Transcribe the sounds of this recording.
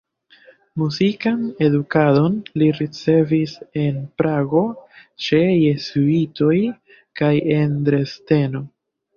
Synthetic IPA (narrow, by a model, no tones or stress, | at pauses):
muzikane̞dukado̞nliɾit͡se̞vise̞npɾaɡo̞t͡ʃe̞je̞zuito̞j | kaje̞ndɾe̞ste̞no̞